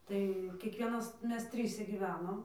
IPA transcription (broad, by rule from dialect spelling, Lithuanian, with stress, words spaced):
ˈtɐɪ kʲiɛkˈʋʲiɛnɐs ˈmʲɛs ˈtʲrʲiːsʲɛ ɡʲiːˈʋʲæːnoːm